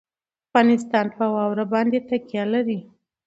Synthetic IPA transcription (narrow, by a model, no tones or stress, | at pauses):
afɣɑnɪst̪ɑnpəwɑwɾabɑnd̪et̪akjɑlaɾi